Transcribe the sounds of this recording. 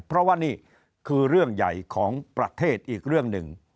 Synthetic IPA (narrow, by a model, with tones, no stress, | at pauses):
pʰɾɔ˦˥waː˥˩niː˥˩ | kʰɯː˧ɾɯ˥˩əŋja̰˨˩jkʰɔː˩˦ŋpɾa˧˥t̪ʰeː˥˩t̪̚ʔiː˨˩k̚ɾɯ˥˩əŋnɯ̰˨˩ŋ